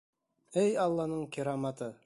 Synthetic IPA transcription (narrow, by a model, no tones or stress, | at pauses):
æjɑlˠːɑnɤɴkʲiɾɑmɑt̪ɤ